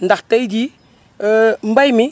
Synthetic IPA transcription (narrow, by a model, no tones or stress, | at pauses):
ndaxtadi | mbajmɪ